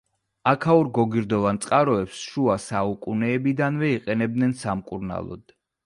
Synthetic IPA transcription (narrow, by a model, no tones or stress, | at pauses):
akʰauɾɡɔɡiɾd̪ɔvant̪sʼqʼaɾɔɛpsʃuasaukʼunɛːbid̪anvɛiqʼɛnɛb̚d̪nɛnsamkʼuɾna̰lˠɔ̰d̪̥